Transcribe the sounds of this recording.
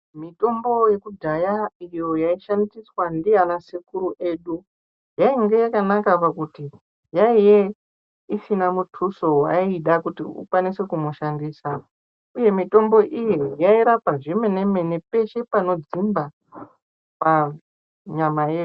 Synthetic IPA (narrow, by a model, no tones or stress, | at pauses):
mito̞mbo̞je̞kudʱajaijo̞jaiʃandiswandijanasikuɾuʔe̞ːɗu | jaiŋɡejakanakapakuti | jaije | isinamutʰuso̞wa̰iɗakutḭṵkwanise̞kumuʃandiːsa | uje̞mito̞mbo̞ʔijejaiɾapaʐime̞ne̞me̞ne̞pe̞ʃe̞pano̞d͡zimba | pa | ɲamaje